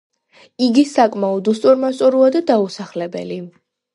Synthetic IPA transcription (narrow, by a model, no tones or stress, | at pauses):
iɡisakʼmaɔd̪ust̪ʼuɾmast̪ʼuɾuad̪ad̪ausaχlɛbɛ̰li